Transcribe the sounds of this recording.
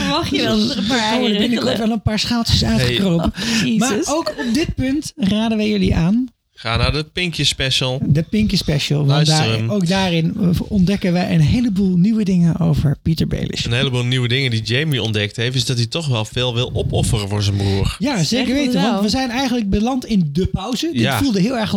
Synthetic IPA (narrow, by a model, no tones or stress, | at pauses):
pəsonəbɪnəkɔɹtʋɛlˠənpaːɹsχaːlˠtəsœɥχəkrowpəmaːowkɔp̚dɪt̚pʏntraːdənʋəjɵliʔaːn | χaːnaːɹdəpɪŋkjəspɛʃəlˠdəpɪŋkjəspɛʃəlˠʋɔnsowkdaːrɪnɔndɛkənʋɛjənɦejləbuːlˠniʋədɪŋəno̰wvəɹpitəɹbḛlɪ̰ʃənɦejləbuːlˠniʋədɪŋəndid͡ʒejmiɔ̰ndɛk̚tɦeftɪzdɑt̬itɔχʋɛlˠvɪːlˠʋɪlˠɔpɔfərəvʊːɹzənbruːɹjazejkəɹʋejtəʋɑntʋəzɛjnɛjɣəntləɡ̚bəlɑntɪndəpɔwzədɪtfulˠdəɦɪːlˠɛɹχ